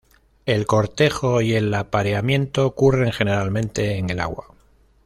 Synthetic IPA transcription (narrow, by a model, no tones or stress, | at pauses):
e̞lko̞ɾt̪e̞xo̞ie̞lapaɾeamjẽ̞nt̪o̞kure̞ŋxe̞ne̞ɾalmẽ̞nt̪e̞ːŋe̞la̰ɣwa̰